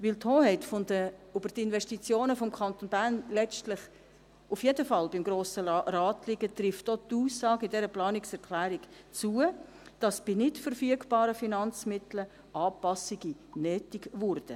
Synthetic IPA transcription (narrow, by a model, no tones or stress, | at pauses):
ʋɪltʰhoːhɛɪtfondəʊb̥əɾtɪnvɛʃtit͡sjoːnəfɔmkʰχɑnt̪onbæɾnlɛstlɪχ | ʔufjedəfɑlbɪmɡɾoːsərɑːtliɡət̪rɪftot̪uːsːɑːɡɪdɛɾəplɑːnɪksɛɾkχlæːɾik | t͡suə | d̥ɑsb̥inɪtfəɾfyəɡb̥ɑːɾəfinɑnt͡smɪtlə | ʔɑːpɑsiɡinɛːtiɡvʊrd̥ə